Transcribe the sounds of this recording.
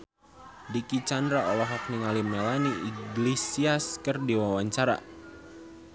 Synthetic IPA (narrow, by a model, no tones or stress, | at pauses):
dikit͡ʃandɾaʔɔlɔɦɔk̚niŋalimelaniʔiɡlisiaskɨrdiwawaɲt͡ʃaɾa̰